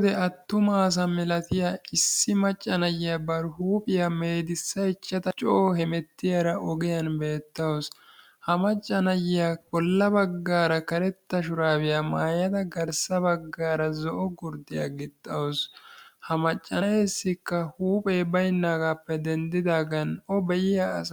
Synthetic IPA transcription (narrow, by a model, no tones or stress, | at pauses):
d̪ɛɐt̪ːʊmaːs̬ɐmɪlɐt̪ɪjɐɪsːɪmɐt͡ʃʼːɐnɐjɪjɐbɐɾhuːpʼɪjɐme̞ːd̪ɪsːɐjt͡ʃːɐt̪ɐt͡ʃʼɔhɛmɛt̪ːɪjɐɾɐʔɔɡɪjɐnbe̞ːt̪ːɐwɔs | hɐmɐt͡ʃʼːɐnɐjɪjakʼɔlːɐbɐɡːaːɾɐkɐɾɛt̪ːɐʃʊɾaːbɪjɐmaːjɐd̪ɐɡɐɾsɐbɐɡːaːɾɐzɔʔɔɡʊɾd̪ɪjɐ̰ɡɪt̪ʼːɐwɔshɐmɐt͡ʃʼːɐjeːsːɪkːɐhuːpʼeːbɐjnːaːɡaːpːɛd̪ɛnd̪ɪd̪aːɡɐnɔbɛjɪjaːs